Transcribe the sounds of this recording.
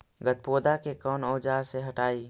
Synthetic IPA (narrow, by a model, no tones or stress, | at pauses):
ɡət̪̚poːd̪akekɔːnɔːd͡ʒaːɾseɦəʈaːiː